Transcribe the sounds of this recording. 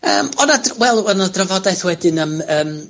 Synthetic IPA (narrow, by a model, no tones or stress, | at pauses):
əːmɔnadwɛlˠɔnadrəvɔdajθwɛdɪnəməːm